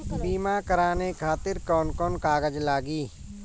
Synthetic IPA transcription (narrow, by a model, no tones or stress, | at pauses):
biːmaːkəɾaːnekʰaːt̪ɪɾkɔːnkɔːnkaːɡəd͡ʒlaːɡiː